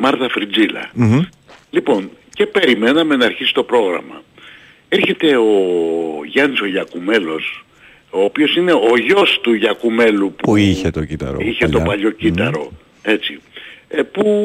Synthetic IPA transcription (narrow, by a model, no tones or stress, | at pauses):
mɐɾt̪ɐfɾid͡zilɐ̰ | lipo̞nce̞pe̞ɾime̞nɐme̞nɐːɾçisi̥t̪o̞pɾo̞ɣɾɐ̰mɐ̰ | eɾçe̞t̪e̞o̞ʝɐniso̞ʝɐkume̞lo̞s | o̞ːpio̞sine̞o̞ʝo̞st̪uʝɐkume̞lupuuiçet̪ocit̪ɐ̰ɾ̰içe̞t̪o̞pɐʎo̞cit̪ɐɾo̞̰ | e̞t͡si | pu